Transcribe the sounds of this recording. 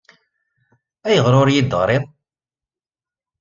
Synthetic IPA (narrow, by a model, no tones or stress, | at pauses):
æjəʁɾʊɾjid̪ʁɾˤeðˤ